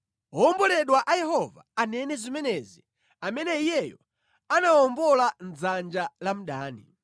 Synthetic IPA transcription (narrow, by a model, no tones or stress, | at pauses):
ɔɔmbɔlɛɗwaʔajɛhɔva̰anɛnɛzimɛnɛzi | amɛnɛijɛjɔ | anaɔmbɔlan̩d͡zand͡ʒalam̩ɗaːnḭ